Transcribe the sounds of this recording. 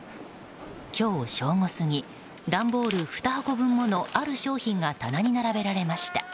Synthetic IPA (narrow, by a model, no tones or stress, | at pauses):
kʲo̞ːɕo̞ːŋo̞sɨŋ̟i | d̪ãmbo̞ːɾɯ̟ɸɯ̥t̪ahako̞bɯ̟̃mːo̞no̞ʔaɾɯ̟ɕo̞ːçĩŋɡat̪anaɲ̟inaɾabe̞ɾaɾe̞maɕi̥t̪ḁ